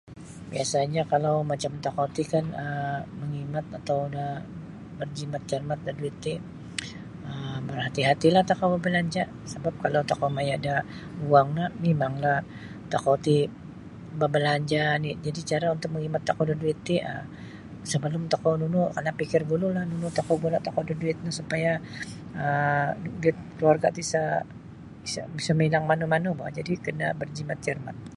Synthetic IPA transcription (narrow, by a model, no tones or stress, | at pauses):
biasaɲakalawmat͡ʃamt̪akat̪ikanəməŋimat̪̚at̪awdah | bərd͡ʒimat̪̚d͡ʒərmat̪̚daduit̪i | əmərhat̪iɦat̪ilaht̪akawbabəlaɲd͡ʒa | səbap̚kalawt̪akamajada | uaŋlahmemaŋlah | t̪akawt̪i | babəlaɲd͡ʒanid͡ʒadit͡ʃaɾaunt̪ʊk̚məŋimat̪ːakawdaduɪt̪ːiə̰ | səbəlʊmt̪akanunukarnapikɪrbululahnunut̪akawbulat̪akawdaduɪt̪̚nasupaja | əduɪt̪̚kluarɡa̰t̪isa | isa̰bisaməilaŋmanumanubaad͡ʒadikənabərd͡ʒimat̪̚d͡ʒərma̰t̪̚